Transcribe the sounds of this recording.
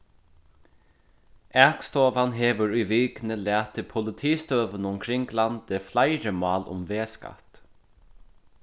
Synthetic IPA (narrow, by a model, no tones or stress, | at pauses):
ɛkst̪oːvanɦeːʋəɹʊjviːknəlæːt̪ʰːɪpʰʊlɪt̪ʰiːst̪øːvənʊmkʰɾɪŋɡland̪eflaɪɹəmɑːlʊ̰mveːska̰t̪